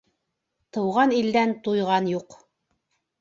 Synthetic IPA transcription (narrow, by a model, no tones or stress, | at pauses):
t̪ɤ̆wʁɑnild̪ænt̪ujʁɑnjuq